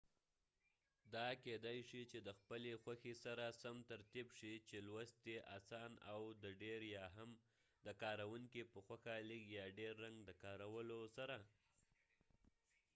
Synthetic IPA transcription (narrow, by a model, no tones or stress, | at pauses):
d̪ɑked̪ajʃit͡ʃed̪əxpəlexwaxesaɾasamt̪aɾt̪ibʂit͡ʃelwast̪eʔasɑnawd̪əɖeɾjɑɦam | d̪əkɑɾawuŋkipəxwaxalikjɑɖeɾːaŋɡd̪əkɑɾawəlosaɾa